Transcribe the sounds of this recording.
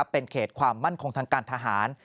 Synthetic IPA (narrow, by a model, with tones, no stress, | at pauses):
pːe˧nkʰeː˨˩t̪̚kʰwaː˧mːa˥˩nkʰo˧ŋt̪ʰaː˧ŋkaː˧nt̪ʰa˧ɦaː˩˦n